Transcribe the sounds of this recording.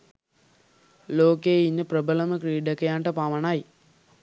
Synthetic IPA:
loːkeːinːɨprɐbɐlɐmɐkɾiːɖɐkːɐjaːɳʈɐpaːmɐɳaːji

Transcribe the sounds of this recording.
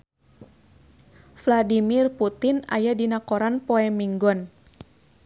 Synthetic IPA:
fladimirput̪ɪna̰jadinakɔɾanpɔɛmiŋɡɔn

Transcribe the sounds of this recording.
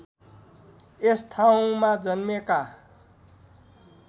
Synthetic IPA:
est̪ʰaw̃mad͡zʌnmeka

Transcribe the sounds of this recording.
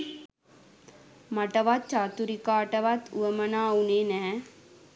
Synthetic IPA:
mɐʈɐʋat̪̚t͡ʃaːt̪uɾikaːʈɐʋat̪ʰṵʋɐmɐnaːunenɛ

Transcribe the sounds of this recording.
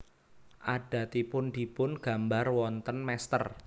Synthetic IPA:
ʔaɖ̥a̤t̪ipʊnd̥ipʊnɡ̥a̤mbarwɔnt̪ənmɛst̪ər

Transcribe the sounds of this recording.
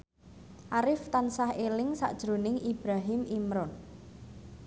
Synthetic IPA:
ʔaɾɪft̪ansahelɪŋsa̰ʔd̥ʒ̥ɾo̤nɪŋib̥ɾaɦɪmʔimɾɔn

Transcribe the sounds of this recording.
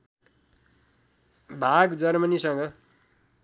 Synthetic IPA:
bʱaɡd͡zʌrmʌnisʌŋɡʌ

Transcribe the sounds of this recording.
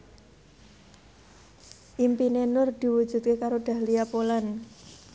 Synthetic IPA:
ʔimpinenʊrd̪̥i̤wu̥ʒ̥ṳt̪̚kekaɾoɖ̪̥a̤hliapolan

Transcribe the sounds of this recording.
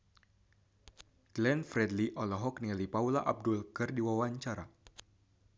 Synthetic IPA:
ɡ̥lɛnfɾɛdliʔɔlɔɦɔk̚nialipaulaʔab̚dʊlkɨrdiwawaɲt͡ʃaɾa

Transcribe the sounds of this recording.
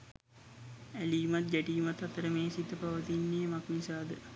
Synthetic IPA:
æliːmat̪̚ɡæʈiːmat̪ɐt̪əɾəmeːsit̪ːəpaʋət̪inːejmaknisaːd̪ə

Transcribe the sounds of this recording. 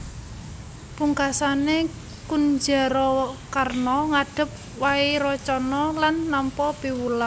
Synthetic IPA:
puŋkasane | kund͡ʒa̤ɾɔkarnɔŋad̥ə̤p̚ | waiɾɔt͡ʃɔnɔlanːampɔb̥i̤wula

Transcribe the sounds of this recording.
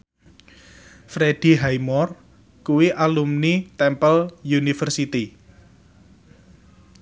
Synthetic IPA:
fɾed̥i̤ɦajmɔr | kuwiʔalumnit̪ɛmpəljunifərsit̪i

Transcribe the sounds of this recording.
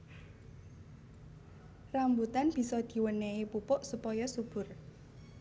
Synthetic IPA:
rambut̪anb̥i̤sɔd̪̥i̤wənɛipupʊʔsupɔjɔsub̥ʊ̤r

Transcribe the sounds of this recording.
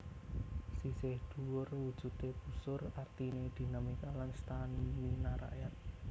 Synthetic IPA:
sisɪhɖ̪̥uwʊrwud̥ʒ̥ṳt̪eb̥usʊrart̪ined̪̥i̤namikalanst̪aniwinaɾa̰ʔjat̪̚

